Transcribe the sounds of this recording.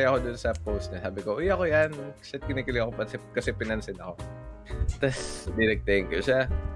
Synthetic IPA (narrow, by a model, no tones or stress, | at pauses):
jɐko̞d̪ʊnsɐpowst̪̚ɲasaːbɪkoʔʊjɐkojanʃɐt̪̚kɪnikɪlɪɐkopɐnsɛpkɐsɛpɪnɐnsɪnɐko̞ | t̪ɐsd̪inɐɡ̚t̪ɐɪŋkoʃa